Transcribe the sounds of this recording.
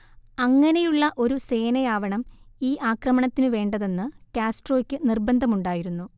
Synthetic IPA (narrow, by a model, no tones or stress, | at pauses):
ɐŋːɐne̞juɭːɐʔo̞ɾuse̞ːnɐjaːʋɐɳɐmiːʔaːkrɐmɐɳɐt̪ːinɨʋe̞ːɳɖɐðe̞nːɨkʲaːsʈro̞ːkʲːɨnirbɐnd̪ʱɐmuɳɖaːjiɾunːu